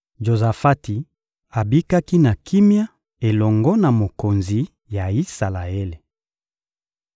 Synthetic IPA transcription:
ʒo˨za˨fa˦ti˨ | a˨bi˦ka˦ki˦na˨kʰi˦mja˦ | e˨lɔ˨ŋɡɔ˦na˨mo˨ko˨nzi˨ | ja˨i˦sa˨la˨e˦le˨

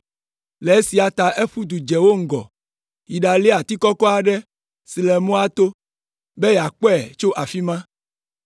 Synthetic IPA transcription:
le˨e˦si˨a˨t̪a˨ʔe˦ɸu˦d̪u˨d͡ʒɛ˨wo˦ŋ̩˦ɡɔ̰˨ | ji˨ɖa˨li˦a˨t̪i˦kɔ˦kɔ˦a˨ɖɛ˦ | si˨lɛ˨mõ˦a˦t̪o˦ | be˦ja˨k͡pɔ˦ɛ˨t͡ʃo˦ʔa˨fi˦mã˦

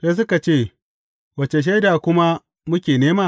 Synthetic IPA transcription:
se˦s̬ʊ˦ka˨t͡ʃeː˦˨ | wɐ˨t͡ʃe˨ʃ̬ɐ˦jdaː˨kʷʊ˦ma˦ | mʊ˦kʲeː˨neː˦maː˦˨

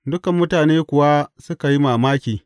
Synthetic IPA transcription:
dʊ˦kɐ˨mːʊ˦taː˨neː˦kʷʊ˨wa˦sʊ˦ka˨ji˦maː˨maː˦kʲiː˨

